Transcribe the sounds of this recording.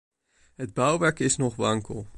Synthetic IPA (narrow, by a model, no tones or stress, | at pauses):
ɦəd̚bœwʋɛɹkɪsnɔχʋɑŋkə̰lˠ